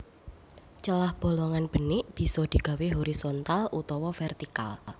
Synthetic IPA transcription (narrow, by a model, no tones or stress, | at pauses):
t͡ʃəlahb̥o̤lɔŋanb̥ə̤nɪʔb̥i̤sɔd̪̥i̤ɡ̥a̤weɦoɾisɔnt̪alʔut̪ɔwɔfɛrt̪ika̰l